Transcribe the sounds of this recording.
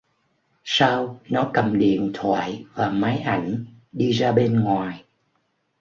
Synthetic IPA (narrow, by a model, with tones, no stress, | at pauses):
saː˧wnɔ˨˦kə˨˩mɗḭ˧˨ənt̪ʰwa̰ː˧˨jvaː˨˩ma˨˦jʔa˧˩jŋ̟ | ɗi˧zaː˧ɓe˧nŋwaː˨˩j